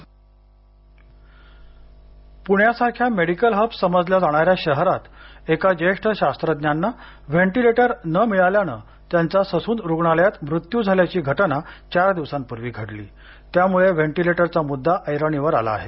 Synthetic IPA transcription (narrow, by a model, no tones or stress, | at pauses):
puɳjasaɾkʰjameɽikəlɦəbsəməd͡zljad͡zaɽ̃aɾjaɕəɦɾat̪ekad͡ʑeʂʈʰəɕast̪ɾəd̪njanːa | ʋeɳʈileʈəɾnəmiɭaljañə̰ | t̪jant͡sasəsuːnd̪ɾuɡɳaljat̪mɾut̪jud͡zʱaljat͡ɕiːɡʱəʈənat͡ɕaɾd̪iʋsanpuɾʋiːɡʱəɽlḭː | t̪jamuɭeʋeɳʈileʈəɾt͡samud̪ːaʔəjɾəɳiʋəɾala̰ːɦḛ